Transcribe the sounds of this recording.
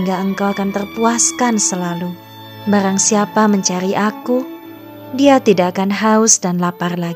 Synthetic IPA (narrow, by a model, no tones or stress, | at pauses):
ŋɡaʔəŋkawakant̪ərpuaskansəlalu | baɾaŋsiapaməɲt͡ʃaɾiʔaku | diat̪idaʔakanɦaʊsdanlaparlaɡ